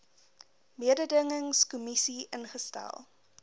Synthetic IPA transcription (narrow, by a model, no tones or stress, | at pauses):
miədədəŋəŋskumisiʔənχəstæ̰lˠ